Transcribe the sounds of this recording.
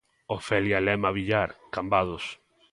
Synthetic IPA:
ofɛljalɛmaβiʎaɾkambaðos

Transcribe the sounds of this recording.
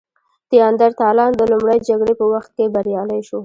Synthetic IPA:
t̪ijɑnd̪aɾt̪ɑlɑnd̪əlumɽajd͡ʒaɡɽepəwaxt̪̚kebaɾjɑlajʃo

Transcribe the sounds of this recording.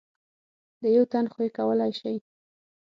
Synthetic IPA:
d̪əjawt̪anxoekawəlajʃaj

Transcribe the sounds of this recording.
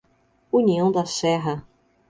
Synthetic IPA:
uniɐ̃w̃d̪ɐsɛɦɐ

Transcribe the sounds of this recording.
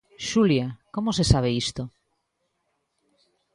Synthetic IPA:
ʃuljakomosesaβ̞eist̪o

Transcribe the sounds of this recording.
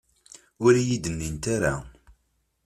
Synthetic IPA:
ʊɾijid̪ənːint̪aɾa̰

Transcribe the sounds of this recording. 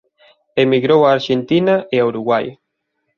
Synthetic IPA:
emiɣɾowaːɾʃent̪inaʔeauɾuɣwaj

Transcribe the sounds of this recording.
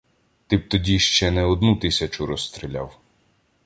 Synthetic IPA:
t̪ɪp̚t̪ɔdʲiʃt͡ʃɛnɛɔd̪nut̪ɪsʲɐt͡ʃʊɾɔst̪ɾilʲa̰w

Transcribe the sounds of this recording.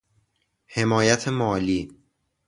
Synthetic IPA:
he̞mɒːjæt̪ʰemɒːliː

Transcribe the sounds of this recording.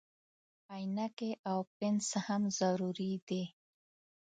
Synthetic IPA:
ajnakeʔawpɪnsahamzaɾuɾid̪i

